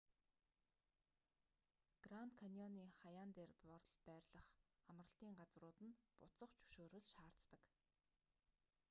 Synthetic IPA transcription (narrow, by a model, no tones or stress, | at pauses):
ɡ̥ran̥t̪kʰanɔniːχajaːnt̪eːrpɔrɮpæːrʲɮə̆χamrə̆ɬt̪iːŋɢat͡srʊːt̪ɘ̆npʊt͡sə̆χt͡ɕʰɵ̥ʃoːɾɘ̆ɮʃaːr̥t̪t̪ə̆k